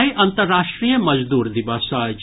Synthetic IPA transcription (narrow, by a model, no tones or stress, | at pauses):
iʔɐnt̪əɾːaːʃʈɾiːjəmɐd͡ʒd̪uːɾd̪iʋaːsaːd͡ʒ